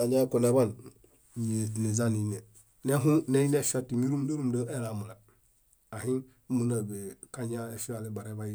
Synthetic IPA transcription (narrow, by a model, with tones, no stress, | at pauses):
a˨ɲa˦ko˨na˨ba˦n˨ | ɲe˨ne˨za˦ni˨˦ne˨ | ne˦ɦu˦ne˦i˦ne˦ʃa˦ti˨mi˦ɾu˦mdo˦ɾu˦mdo˦e˦la˨mu˨la˨ | a˨ɦi˦n˦ | mu˦na˨be˨ka˦ɲa˦e˦ʃu˦a˨le˦ba˨ɾe˦ba˦ji˦